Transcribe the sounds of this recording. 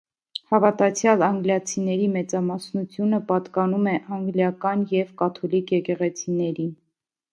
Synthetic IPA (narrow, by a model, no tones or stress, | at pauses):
hɑvɑt̪ɑt͡sʰjɑlɑŋɡljɑt͡sʰinɛɾimɛt͡sɑmɑsnut͡sʰjunəpɑt̪kɑnumɛʔɑŋɡljɑkɑnjɛvkɑt̪ʰɔlikʰjɛkɛʁɛt͡sʰinɛɾin